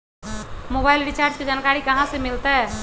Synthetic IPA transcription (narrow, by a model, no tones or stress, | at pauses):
mobailɾit͡ʃaɾd͡ʒked͡ʒankaɾikəɦãsemilt̪ɛ